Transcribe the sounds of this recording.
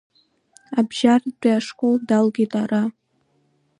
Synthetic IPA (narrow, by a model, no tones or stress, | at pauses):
abʒardʷaːʂkʷʼoldalɡʲitʼara